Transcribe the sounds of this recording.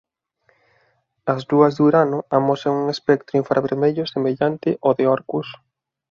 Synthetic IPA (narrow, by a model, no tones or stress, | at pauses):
ɐzðuɐzðuɾanʊamoseŋuŋespɛk̚t̪ɾʊĩɱfɾaβeɾmeʎʊsemeʎant̪ɪʔoðeɔɾkus